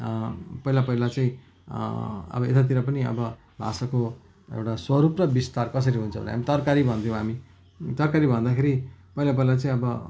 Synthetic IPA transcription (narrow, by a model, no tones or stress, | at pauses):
pʌɦilapʌɦilat͡saĩ | ʌ̰bʌet̪at̪̬iɾapʌniʌ̰bʌ | bʱa̰sako | ḛwʈaswʌɾuprʌbist̪arkʌs̬ʌɾiɦunt͡sʰʌbʌ̰nḛɦamit̪ʌrkaɾibʱʌnt̪ʰijõɦami | t̪ʌrkaɾibʱʌnd̪akʰeɾipʌɦilap̬ʌilat͡saĩʌbʌ